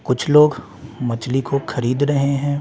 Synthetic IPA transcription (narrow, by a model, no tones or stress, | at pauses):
kʊt͡ʃʰloːɡ | mɐt͡ʃlikoxʰɐɾiːd̪ɾɐɦeɦɛ̃ː